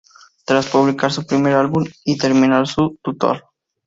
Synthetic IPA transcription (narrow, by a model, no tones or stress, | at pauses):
t̪ɾaspuβlikaɾsupɾimeɾalβumit̪eɾminaɾsut̪ut̪ɔ̰ɾ